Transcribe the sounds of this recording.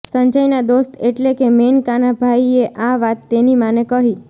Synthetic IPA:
səɲd͡ʒəjnad̪ost̪ʰeʈlekemenkanabʱaieʔaʋat̪ːenimanekəɦi

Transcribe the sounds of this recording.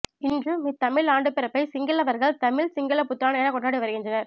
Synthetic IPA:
ɪndrɯmit̪ːɐmɪɭaːɳɖɯpɪɾɐpːɐɪsɪŋɡɪlɐʋɐɾɣɐɭt̪ɐmɪɭsɪŋɡɐɭɐpʊt̪ːɪɾaːnɐɛnɐkɔɳɖaːɽiʋɐɾɯɣɪndrɐnɐɾ

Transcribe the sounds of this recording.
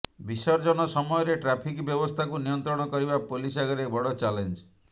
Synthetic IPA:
bisɔɾd͡ʒɔnɔsɔmɔjɔɾeʈɾapʰikbjɔbɔst̪ʰakunijɔnt̪ɾɔɽ̃ɔkɔɾibapolis̬aɡɔɾebɔɽɔt͡ʃalend͡ʒ

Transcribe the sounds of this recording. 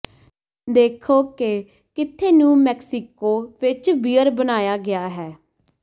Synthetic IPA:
d̪eːkʰoːke | kɪt̪ʰeːnũːmɛːksɪkoːʋɪt͡ʃbiːəɾbənaːjaːɡɪaːɦɛː

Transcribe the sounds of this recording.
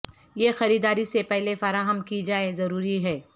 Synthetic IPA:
jexɐɾiːd̪aːɾisepɛɦlefɐɾaːɦəmkid͡ʒaːezɐɾuːɾiɦɛː

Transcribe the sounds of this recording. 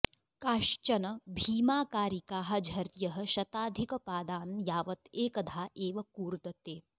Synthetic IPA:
kaːʃt͡ʃɐnɐbʱiːmaːkaːɾikaːɦɐ̆d͡ʒʱɐɾjɐɦɐ̆ʃɐt̪aːd̪ʱikɐpaːd̪aːnjaːʋɐt̪eːkɐd̪ʱaːʔeːʋɐkuːɾd̪ɐt̪eː

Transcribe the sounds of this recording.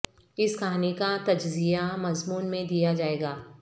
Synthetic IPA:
ɪskʰaːnikat̪ɐd͡ʒzijamɐzmuːnmẽd̪ijad͡ʒaːeːɡaː

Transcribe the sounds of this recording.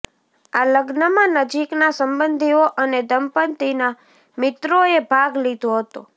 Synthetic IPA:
aləɡnəmãnəd͡ʒiknasəmbənd̪ʱioʔəned̪əmpənt̪ina | mɪt̪ɾoebʱaɡlid̪ʱoɦət̪o

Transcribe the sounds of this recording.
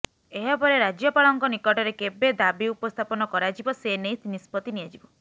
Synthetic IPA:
eɦɔpɔɾeɾad͡ʒjɔpaɭɔŋkɔnikɔʈɔɾekebed̪abiupɔst̪ʰapɔnɔkɔɾad͡ʒibɔsenejt̪inispɔt̪inijad͡ʒibɔ

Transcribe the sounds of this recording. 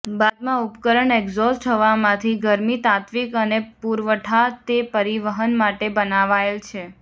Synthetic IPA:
bad̪mãupkəɾəɳɛɡzɔsʈʰəʋamãt̪ʰiɡəɾmit̪at̪ʋikənepuɾʋəʈʰat̪epəɾiʋəɦənmaʈebənaʋaelt͡ʃʰe

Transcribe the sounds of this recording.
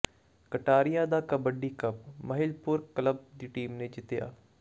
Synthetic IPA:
kəʈaːɾɪjaːd̪aːkəbəɖiːkəp̚məɦɪlpʊɾkələb̚d̪iːʈiːmneːd͡ʒɪt̪eja̰ː

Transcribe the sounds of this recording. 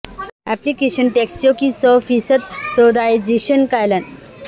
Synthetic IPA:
æplikeɕənʈeksjokisəfisət̪̚sod̪aid͡ʑeɕənkajlan

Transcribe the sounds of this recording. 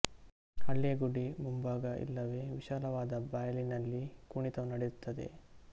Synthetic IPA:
ɐɭːijɐɡuɽimumbaːɡɐʔḭlːɐʋe̞ːʋiʃaːlɐʋaːd̪ɐbaːjɐlinɐlːikuɳit̪ɐmnɐɽejut̪ːɐd̪e̞̰

